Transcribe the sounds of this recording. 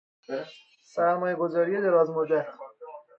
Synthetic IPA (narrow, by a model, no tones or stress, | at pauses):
sæɾmɒːjeɡozɒːɾijed̪eɾɒːzmod̪æt̪